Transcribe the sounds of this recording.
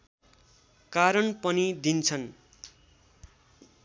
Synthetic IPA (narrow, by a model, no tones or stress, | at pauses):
kaɾʌnpʌnid̪int͡sʰʌn